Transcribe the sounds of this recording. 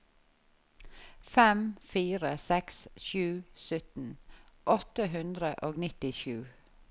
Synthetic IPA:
fɛmfiːɾəsɛksʃʉːsœt̪n̩ʔɔt̪əɦʉnd̪ɾəʔoːɡnɪt̪ɪʃʉː

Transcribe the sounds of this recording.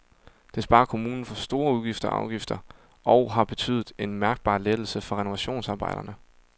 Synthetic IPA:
d̥e̝sb̥ɑ̈ːkʰo̝muːnn̩fɒ̽sd̥o̝ːɐuðˠɡ̥ifd̥ɐɒʔɑ̈ʊɡ̥ifd̥ɐ | ʔɒʊɦɑ̈b̥e̝t͡sʰy̰ːðˠð̩ˠe̝nmæɐɡ̥̚b̥ɑ̰̈ːled̥l̩səfɒ̽ʁɛno̝ʋæɕo̝̰ːnsɑ̈ːb̥ɑ̈ɪ̰d̥ɐnə

